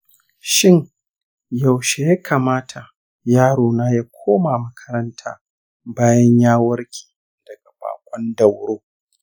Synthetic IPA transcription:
ʃɪ˦ŋ | ja˨wʃe˨jaː˦kʰaː˨maː˦tʰa˨ | jaː˦ɽoː˨naː˦jaː˦kʷʰoː˦maː˨mɐ˦kʰɐ̥˦ɾɐ˦ntʰa̰ː˦ | baː˦jɐ˦ɲjaː˦wɐ˦ɽkʲi̥ː˨ | d̥ɐ˨ɡa˨ɸa̰ː˨kʷʼɔ˦ndɐ˨wɽoː˦

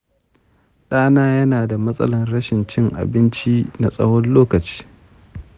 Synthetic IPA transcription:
ɗaː˦naː˦jɐ˦naː˨da˨mɐ˦sʼɐ̰˦lɐ˨nɾɐ˦ʃɪ˨nt͡ʃɪ˦ŋʔa̰˨bɪ˦nt͡ʃi˦na˨sʼɐ̰˦hɔ˦nloː˦kɐ˨t͡ʃi̥ː˦

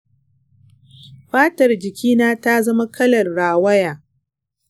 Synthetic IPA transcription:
ɸaː˦tɐ˨rd͡ʒɪ˨kʲiː˦naː˦ta˦zɐ˦ma˦kɐ˦lɐ˨rɽaː˨wɐ˦jaː˨

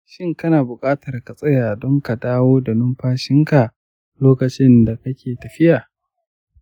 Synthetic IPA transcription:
ʃɪ˦ŋkɐ˦naː˨bʊ˨kʼaː˦tɐ˨rka˨sʼɐ˦jaː˨dɔ˦ŋka˨daː˦woː˦da˨nʊ˦mɸaː˦ʃɪ˦ŋka˨ | loː˦kɐ˨t͡ʃɪ˦nda˨kɐ˦kʲʰeː˨tɐ˨ɸɪ˦ʔaː˨

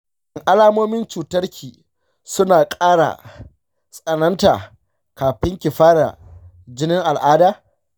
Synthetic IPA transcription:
ʔɪ˨ŋʔa˦laː˦moː˦mɪ˦nt͡ʃuː˨tɐ˦rkʲʰiː˨ | sʊ˦naː˨kʼaː˦ɽa̰˨ | sʼɐ˨nɐ˦nta̰ː˨ | kaː˨ɸɪ˦ŋkʲɪ˨ɸaː˦ɽa̰˨ | d͡ʒɪ˦nɪ˦ŋʔa˨lʔaː˦daː˦

